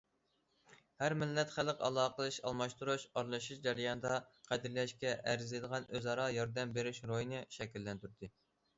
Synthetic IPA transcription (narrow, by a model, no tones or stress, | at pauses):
hæɾmɪlːɛt̪χælˠəqɑ̰lˠɑːqəlˠɨʃɑ̰lˠmɑʃt̪uɾuʃɑɾlˠɨʃuʃd͡ʒɛɾjɑnɨd̪ɑqʰæd̪ɪɾlɛʃkʲɛʔæɾzlid̪əʁɑnʔøzɑɾɑjɑɾd̪ɛmbeɾyʃɾojinɨʃɛkʲilːɛnt̪yɾd̪ɨ